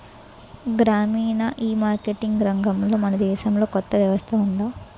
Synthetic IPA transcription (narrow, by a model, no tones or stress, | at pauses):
ɡɾaːmiːnɐʔiːmaːɾkeʈiŋɡɾɐŋɡɐmlo̞ːmɐnɐd̪ɛːʃɐmlo̞ːkɔt̪ːɐʋjɐʋɐst̪ʰɐund̪aː